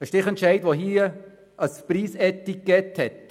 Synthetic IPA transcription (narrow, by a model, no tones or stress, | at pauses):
əʃtɪχɛntt͡ʃɛɪdʋoɦiə | ʔɑspriːsɛtikːɛthɛt